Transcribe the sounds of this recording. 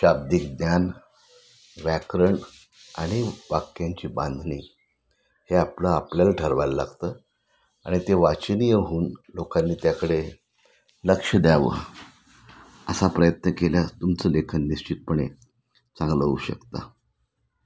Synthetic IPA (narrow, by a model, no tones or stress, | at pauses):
ɕab̚d̪ik̚d̪njan | ʋækɾəɳ | a̰ɽ̃iʋakjaɲt͡ɕiːbãnd̪ʱniː | heapləapljalaʈʰəɾʋalla̰ɡt̪ə | aɽ̃it̪eʋat͡ɕnijəɦuːnlokanːiːt̪jakəɽe | ləkʂəd̪jaʋə̰ | əsapɾəjət̪nəkeljast̪umt͡səːlekʰənːiɕt͡ɕit̪̚pəɳḛ | t͡sãŋɡləuɕə̰kt̪a